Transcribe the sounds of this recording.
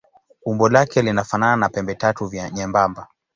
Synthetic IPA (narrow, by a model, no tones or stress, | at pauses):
umbɔlakɛlinafanananapɛmbɛtatuvjaɲɛmbamba